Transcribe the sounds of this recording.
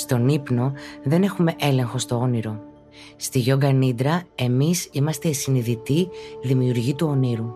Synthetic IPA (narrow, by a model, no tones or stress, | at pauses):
st̪o̞nipno̞ðe̞ne̞xume̞ʔe̞le̞ŋxo̞st̪o̞o̞niɾo̞ | st̪iʝo̞ɡɐnid̪ɾɐe̞misimɐst̪esiniðit̪iðimiuɾʝit̪uo̞niɾu